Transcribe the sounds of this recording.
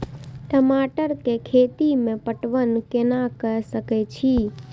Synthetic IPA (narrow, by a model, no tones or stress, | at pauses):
ʈəmaʈəɾkekʰet̪imẽpəʈʋənkenakəsəkɛt͡ʃʰi